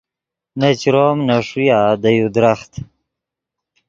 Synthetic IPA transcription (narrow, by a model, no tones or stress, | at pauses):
nat͡ɕɾoːmnaʂujad̪ajud̪ɾaχt̪